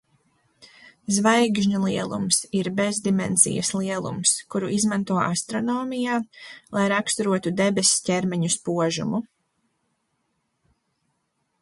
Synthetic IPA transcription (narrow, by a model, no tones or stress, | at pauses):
zvajɡʒɲulˠiɛlˠṵmsiɾbezd̪imɛ̰nzḭjɐ̰slˠiɛlˠṵmskuɾuʔizmant̪uɔast̪ɾɔnɔːmijaːlˠajɾakst̪uɾuɔt̪ud̪ɛbɛsʲscʲɛɾmɛɲuspuɔʒṵmu